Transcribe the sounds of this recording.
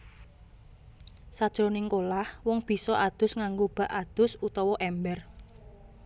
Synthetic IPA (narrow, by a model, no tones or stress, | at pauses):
sad̥ʒ̥ɾonɪŋkolahwɔŋb̥i̤sɔʔad̪̥ʊ̤sŋaŋɡob̥a̤ʔad̪̥ʊ̤sut̪ɔwɔʔɛmbɛr